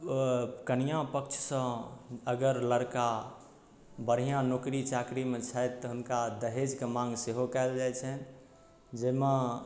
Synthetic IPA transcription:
kənijãpək̚t͡ʃʰsə̃əɡəɾləɾka | bəɾ̤ijãnokɾit͡ʃakɾimet͡ʃʰajt̪ːɔɦunkad̪əɦed͡ʒkemãŋɡseɦokaɪld͡ʒajt͡ʃʰɛn | d͡ʒema

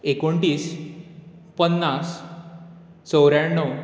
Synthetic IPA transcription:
ekoɳʈiːs | pənːas | t͡səwɾjaɳːəw

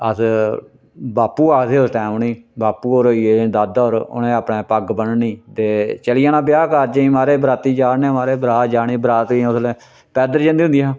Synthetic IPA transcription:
ə̰s | baːpːuːaːseːost̪ɛ̃ːmniːbaːpuːoːɾoːieːd̪ad̪oːɾʊ̰nẽːaːpɳeːpəɡbənniːt̪eːt͡ʃəlɪjaːnãːbjaːkəd͡ʒeĩːmaːɾeːbɾaːt̪ːiːd͡ʒaːnẽːmaːɾeːbɾaːt̪d͡ʒaːniːbəɾaːt̪ĩːʊsleː | pɛːd̪əɾd͡ʒə̃nd̪iːɦʊnd̪iːãː

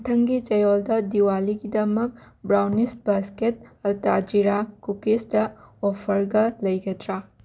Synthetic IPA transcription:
tʰɐŋɡit͡ʃɐjoldɐdiwaliɡidɐmɐk̚ | bɾawnis̚basket̚ɐltad͡ʒiɾakukesdɐopʰɐɾɡɐlɐjɡɐdɾa

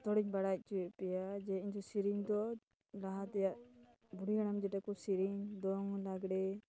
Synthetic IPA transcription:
t̪ɔɽiɲbaɽac̚t͡ʃuwɛʔpɛjad͡ʒɛiɲd͡ʒɔsiɾiɲd̪ɔ | laɦat̪ɛjaʔ | buɽiaɽ̃amd͡ʒɛʈakɔsiɾiɲd̪ɔŋlaɡɽɛ

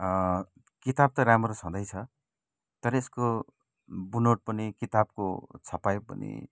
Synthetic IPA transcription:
kit̪ab̚t̪ʌɾamʌɾosɦũd̪ʌjt͡sʰʌ | t̪ʌɾʌesko | bunoʈ̚pʌnikit̪ab̚kot͡sʰʌpajpʌ̰nḭ

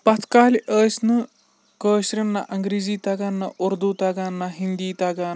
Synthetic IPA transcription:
pɐt͡sʰkaːliʔəːsnɐ | kəːɕɾɐnːaʔɐŋɡɾiːziːt̪aɡanːaʔuɾd̪ut̪aɡanːaɦind̪iːt̪aɡan

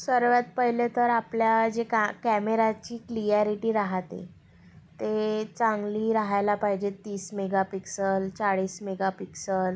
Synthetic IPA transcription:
səɾʋjat̪̚pəɦjlet̪əɾapljad͡ʑekkɛmeɾat͡ɕiːklijaɾiʈiːɾaɦat̪ḛ | t̪et͡sãŋɡliːɾaɦajlapaɦid͡ʑet̪iːsmeɡapiksəlt͡saɽiːsmeɡapiksəl

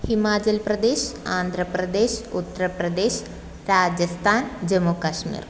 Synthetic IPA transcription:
himaːt͡ʃɐlpɾɐd̪eːʃaːnd̪ʱɾɐpɾɐd̪eːʃut̪ːɐɾɐpɾɐd̪eːʃ | ɾaːd͡ʒɐst̪ʰaːnd͡ʒɐmːukɐʂmḭːɾ

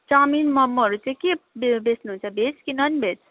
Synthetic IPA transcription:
t͡ʃaminmʌmːoɾut͡sãkebbesnɦũnt͡sʰʌbʱet͡skinʌnbʱet͡sʰ

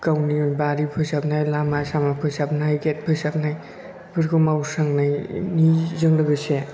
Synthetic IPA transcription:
kawnijbaɾipʰɯsapnajlamasamapʰɯsap̚najɡet̚pʰɯjsap̚naj | pʰɯɾkɯmawsaŋnajnizɯŋlɯɡɯse

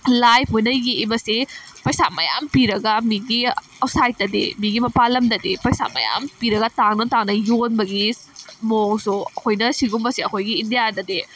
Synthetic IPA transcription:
lajpʰojnɐjɡiːbɐsepɐjsamɐja̰mpiɾɐɡɐmiɡi | ɐwsajtːɐdḛmiɡimɐpalɐmdɐdepɐjsa̰mɐ̰ja̰mpiɾɐɡɐtaŋnɐtaŋnɐjonbɐɡimoŋsuɐkʰojnɐsiɡumbɐsiɐkʰojɡiːndijadɐde

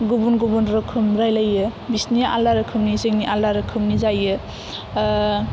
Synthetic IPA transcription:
ɡubunɡubunɾɯkʰɯmɾajlajɯbisnia̰laɾɯkʰɯmnizeŋniʔalaɾɯkʰɯmnizajɯ

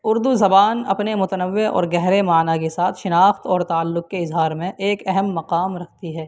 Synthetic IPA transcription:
ʊɾd̪uzɐbaːnɐ̰pnemʊt̪ənəʋːeʔɔ̰ːɾɡɛɦɾemaːnakesaːt̪ʰʃɪnaːxt̪ɔːɾt̪aːlːʊk̚keɪzɦaːɾmẽʔeːkɛɦɛmːɐqaːmɾɐk̚ʰt̪iɦɛː

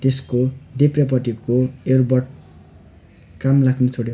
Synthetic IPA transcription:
t̪eskoɖeprepʌʈikoerbʌrʈ | kamlakʰnut͡sʰoɽe

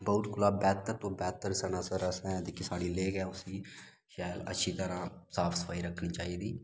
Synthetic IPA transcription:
bəʊt̪kʊlaːbɛːt̪əɾt̪õːbɛːt̪əɾsənãːsəɾəsɛ̃ːd̪ekɪsaːɽiːleːkɛ̃ːʊsiː | ʃaːələ̰tːʃʰiːt̪əɾãːsaːpʰsə̥fʰaːiːɾəkʰnĩːt͡ʃaːiːd̪iː

